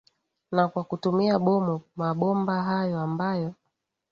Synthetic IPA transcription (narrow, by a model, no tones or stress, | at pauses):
nakwakutumiaɓɔmumaɓɔmbaɦajɔambajɔ